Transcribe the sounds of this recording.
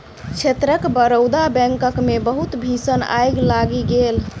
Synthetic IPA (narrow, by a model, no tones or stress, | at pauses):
kt͡ʃʰet̪ɾəkbəɾəwd̪abɛ̃ŋkəkmebəɦut̪bʱisəna̰jɡlaɡiɡel